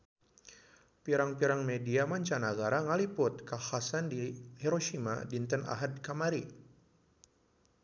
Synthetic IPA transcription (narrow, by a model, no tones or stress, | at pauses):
piɾaŋpiɾaŋmediamaɲt͡ʃanaɡaɾaŋalipʊt̪̚kahasandihɛɾoʃima̰dint̪əna̰ɦadkamaɾi